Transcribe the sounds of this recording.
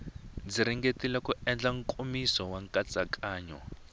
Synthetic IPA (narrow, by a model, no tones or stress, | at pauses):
d͡ziɾiŋɡetilɛkuɛnd͡ɮaŋ̩kʼumisɔwaŋkʼat͡sʼakʼaːɲɔ